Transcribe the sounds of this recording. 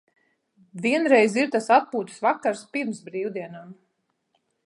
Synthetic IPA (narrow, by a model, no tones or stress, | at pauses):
viɛnɾɛjziɾt̪asat̪̚puːt̪svakːaɾspiɾmsbɾiːwd̪iɛnam